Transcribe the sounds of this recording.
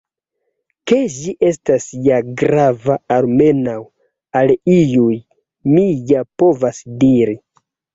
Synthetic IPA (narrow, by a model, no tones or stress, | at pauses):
ke̞d͡ʒiʔe̞stasjaɡɾavaalme̞naw | alijuj | mijapo̞vasdiɾi